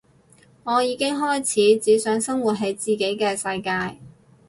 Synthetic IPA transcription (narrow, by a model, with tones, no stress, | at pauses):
ŋɔː˨˧jiː˨˧kɪ˥ŋɦɔː˥jt͡sʰiː˨˥t͡siː˨˥sœː˨˥ŋsɐ˥ŋwu˨t̚ɦɐ˨˧jt͡siː˨ke˨˥jkɛː˧sɐ˧jkaː˧j